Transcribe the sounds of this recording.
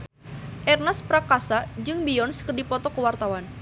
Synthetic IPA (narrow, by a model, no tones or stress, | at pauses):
ʔɛrnaspɾakasad͡ʒɨŋbiɔnskərdipɔt̪ɔkəwart̪awan